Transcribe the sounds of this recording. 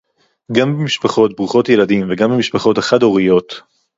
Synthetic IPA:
ɡambemiʃpaχo̞t̚bʁuχo̞tje̞ladimveɡambemiʃpaχo̞taχado̞ʁijo̞t

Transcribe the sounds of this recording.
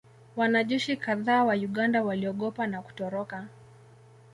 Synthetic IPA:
wanaʄɛʃikaðaːwajuɠandawaliɔɠɔpanaku̥tɔɾɔka

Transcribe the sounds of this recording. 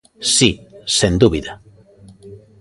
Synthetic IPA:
sisend̪uβiða

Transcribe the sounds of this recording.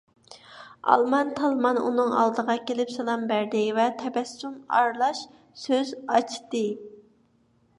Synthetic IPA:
ɑ̰lˠmɑnt̪ʰɑlˠmɑnṵnɨŋɑ̰lˠd̪əʁɑkʲʰelɪpsɑlˠɑmbæɾd̪ɪvɛt̪ʰɛbɛsunɑ̰ɾlˠɑʃ | søzɑt͡ʃʰt̪ɨ

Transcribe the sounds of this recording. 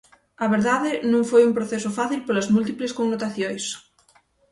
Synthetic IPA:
aβ̞eɾðaðenũŋfojumpɾoθesofaθilpolazmult̪̬ipleskoŋnot̪aθjojs

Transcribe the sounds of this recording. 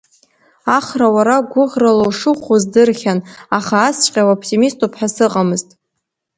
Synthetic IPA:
aχrawaɾaɡʷʊʁralowʂɨχʷozdɨrχʲanaχaːst͡ʃʷʼqʲʼawopʰtʰʲʼimistʰʼupʰħasɨqʼamɨztʼ

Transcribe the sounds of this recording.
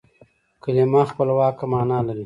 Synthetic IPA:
kəlemaːxpəlwaːkamaːnaːlɐɾi

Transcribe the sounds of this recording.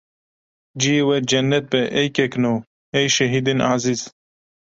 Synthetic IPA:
d͡ʒijewɛd͡ʒɐnːɛt̪̚bɛʔejkɛkno | ejʃɛɦid̪enaziz̥

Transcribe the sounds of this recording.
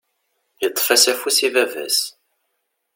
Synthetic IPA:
jət̪ˤːfæsæfusivævæ̰s

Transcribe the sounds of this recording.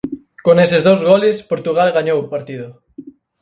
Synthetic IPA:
konesɪzðowzɣɔlɪspoɾt̪uɣalɣaɲowpaɾt̪ið̞ʊ

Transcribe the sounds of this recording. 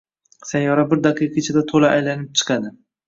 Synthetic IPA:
sajːɒɾabɪɾd̪aqʰɨjqʰet͡ʃʰad̪at̪ʰolaʔajlanɪp̚t͡ʃʰɨ̥qʰɑd̪ɪ

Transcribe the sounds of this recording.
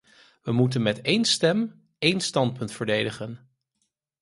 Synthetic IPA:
ʋəmutənmɛtejnstɛm | ejnstɑnt̚pɵntfəɹdejdəχən

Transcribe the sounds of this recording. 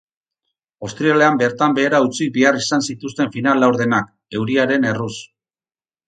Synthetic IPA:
ast̪ɾiale̞ambe̞ɾt̪ambe̞ːɾaut͡sik̚biarisansit̪ust̪e̞ɱfinalːawɾðe̞nak̚ | e̞wɾiaɾe̞ne̞rus

